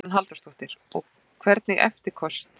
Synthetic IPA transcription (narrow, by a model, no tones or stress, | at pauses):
nɦalt̪ḁst̪owht̪ɪɾɔɣ | kʰvɛɾt̪nɪɣʔɛ̰ft̪ɪɾ̥kʰɔst̪